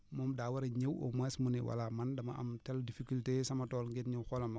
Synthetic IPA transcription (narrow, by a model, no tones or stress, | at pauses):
mɔmdaːwɐɾɐɲewo̰mwɛsmuniwa̰lamɐndɐmɐ̰ɐ̰mtɛldifikultesɐmɐtɔːlŋɡetɲiwxɔlɐmɐ